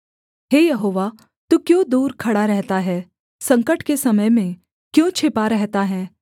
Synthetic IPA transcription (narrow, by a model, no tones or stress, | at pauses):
ɦeːjɐɦoːʋa | t̪ukjõːd̪uːɾkʰɐɽaɾɛɦt̪aɦɛː | sɐ̃ŋkəʈkesɐməjmẽ | kjõːt͡ʃʰɪpaɾɛɦt̪aɦɛː